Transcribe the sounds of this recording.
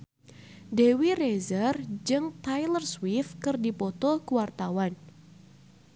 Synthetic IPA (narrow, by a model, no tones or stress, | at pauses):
dewirezərd͡ʒɨŋt̪ajlərswifkɨrdipɔt̪ɔkuwart̪awan